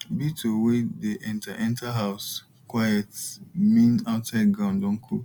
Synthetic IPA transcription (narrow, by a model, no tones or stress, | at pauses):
bitʰowedeʔɛ̃ntʰaʔɛ̃ntaɦaʊs | kwajɛtmĩnaʊsaɪdɡɾãʊ̃ndɔ̃ŋ̩kʰo